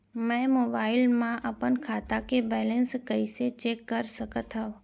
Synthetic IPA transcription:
mɛ̃ːmoːbaːɪlmãʔɐpənkʰaːt̪akebɛːlə̃nskəiset͡ʃeːkːəɾsəkət̪ɦã

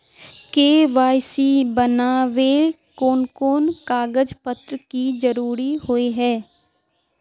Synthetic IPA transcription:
keːʋaːjsibənaːʋe | koːnkoːnkaːɡəd͡ʒpət̪ɾkid͡ʒəɾuːɾihoeɦɛː

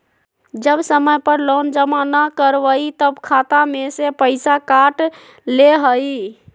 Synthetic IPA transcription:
d͡ʒəbsəməjpəɾlond͡ʒəmanakəɾʋəit̪əbkʰat̪amesepəɪsakaʈ | leɦəi

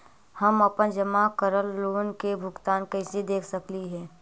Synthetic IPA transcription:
hɐmɐpənd͡ʒəmakəɾəlːoːnkebʱʊɡt̪aːnkɐɪsed̪eːkʰsəkliɦɛː

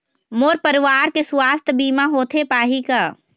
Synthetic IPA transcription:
moːɾpəɾɪʋaːɾkesʊwaːst̪ʰbiːmaɦoːt̪ʰepaːɦika

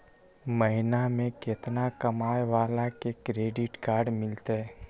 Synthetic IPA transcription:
məɦɪnamẽkɪt̪nakɐmaːeʋaːlakekɾeːɖɪʈkaːɾɖmɪlt̪eɛ

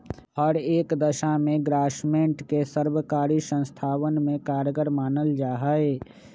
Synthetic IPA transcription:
hɔːɾeːkd̪əʃamẽɡɾaːʃmẽːʈkesəɾbəkaːɾisə̃nst̪ʰaːwənmẽkaːɾɡəɾmaːnəld͡ʒaːɦəe

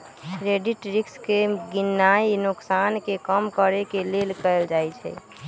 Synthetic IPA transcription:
ɾeɖiʈɾikskeɡinːainuksankekəmkəɾekelelkəɪld͡ʒajt͡ʃʰɛ̰

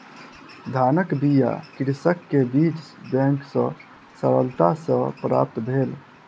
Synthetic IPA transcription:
d̪ʱaːnəkbija̰kiɽsəkːebit͡ʃbɛ̃ŋksə̰̃ | səɾəlt̪asə̃pɾa̰ːp̚t̪bʱel

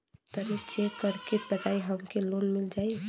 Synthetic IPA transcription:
t̪əɾit͡ʃepəɾkit̪̚bəd͡ʒ̪ajɦəmkelonmild͡ʒaj

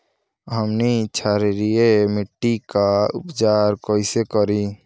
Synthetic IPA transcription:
ɦəmnit͡ʃʰaːɾeɾiemɪʈːikaʊ̰pd͡ʒaːɾkɔːisekəɾi

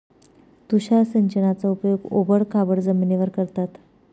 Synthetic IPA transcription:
t̪uɕasəɲt͡ɕənat͡saupjoɡo̰bəɽkʰabəɽd͡zəminiʋəɾkəɾt̪at̪

